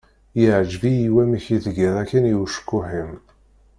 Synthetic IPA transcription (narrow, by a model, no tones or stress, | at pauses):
jəʕʒvijiwæməçiðɡiðˤækːænjuwʃkːʊħim